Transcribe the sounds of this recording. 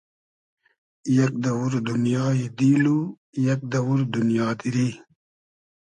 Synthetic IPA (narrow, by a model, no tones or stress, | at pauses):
jɐk̚d̪ɐwuɾd̪unjaːid̪iːlu | jɐk̚d̪ɐwuɾd̪unjaːd̪iɾi